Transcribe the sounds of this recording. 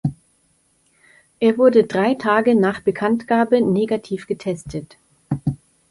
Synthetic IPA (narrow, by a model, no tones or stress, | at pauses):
ʔeːɐvʊɐdədʁaɪtʰaːɡənaːχb̥əkʰantɡ̥aːbəneːɡatʰiːfɡ̥ətʰɛstʰət